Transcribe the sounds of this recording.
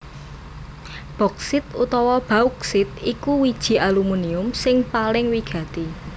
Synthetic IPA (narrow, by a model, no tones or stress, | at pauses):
b̥ɔ̤ksɪt̪ut̪ɔwɔb̥auksɪt̪̚ikuwid̥ʒ̥i̤ʔalumuniʊmsɪŋpalɪŋwiɡ̥ä̤t̪i